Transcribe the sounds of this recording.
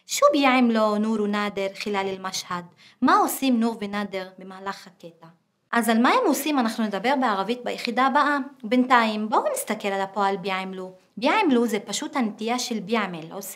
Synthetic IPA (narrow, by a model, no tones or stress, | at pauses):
ʃubjaʕimlonuɾunad̪eʁχilalilmaʃhad̪ | maosimnuʁvenad̪eʁbe̞maːlaχhaket̪a | ʔazalmaemosimanaχnuned̪abe̞ʁbeaʁavit̪̚bajeχid̪aːbaʔabent̪aimbonist̪akelalapoalbjaʕimlu | bjaʕimluzepaʃut̪hanet̪ijaʃelbjamelos